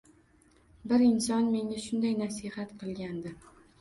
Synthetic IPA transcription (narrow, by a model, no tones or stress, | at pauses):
bɪɾɪnsɒnme̞ŋaʃʊnd̪ajnasɪhat̪qʰɨlˠɡʲand̪ɪ